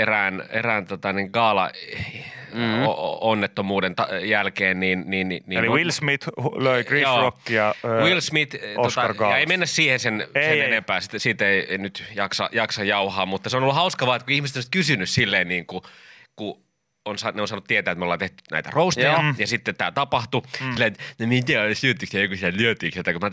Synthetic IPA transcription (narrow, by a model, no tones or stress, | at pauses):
eræːnḛrænt̪ot̪ɑniŋkɑːlɑ̰ | onːet̪ːomuːdent̪ɑjælkeːnniːnniːnniːonliwilsmit̪løikrijoːokːijɑwilsmit̪oost̪ɑɑrkɑːjɑeeimenːæssiːhensenseenempæːsit̪siːt̪eieinyt̪jɑksɑ̰jɑksɑjɑuhɑːmut̪ːɑseonolːuhɑuskɑʋɑːet̪kuihmiset̪oisi̥t̪kysynyssilːeːnniːŋku | ku | onsɑneonsɑːnut̪iet̪æːet̪meolɑːt̪eht̪y̥næ̰it̪æ̰roust̪ɑjɑjɑsit̪ːet̪æːt̪ɑpɑht̪ussilːet̪nemit̪æsyøt̪ːyksɑokusiellyøt̪yːksjot̪ɑkumæ